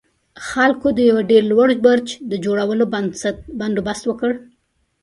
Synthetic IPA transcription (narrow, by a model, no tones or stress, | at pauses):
xalkod̪əjawaɖeɾlwaɽbəɾt͡ʃd̪əd͡ʒoɽawəloband̪obast̪wəkəɽ